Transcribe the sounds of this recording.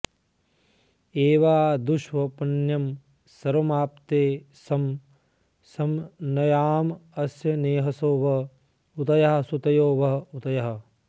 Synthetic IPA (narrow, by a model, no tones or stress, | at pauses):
eːʋaːd̪uʃʋɐpɐnjɐm | sɐɾɐmaːp̚t̪eː | sɐm | sɐmnɐjaːmɐsjɐneːɦɐsoːʋɐ | ut̪ɐjɐɦɐsut̪ɐjoːʋɐɦɐut̪ɐjɐɦɐ̆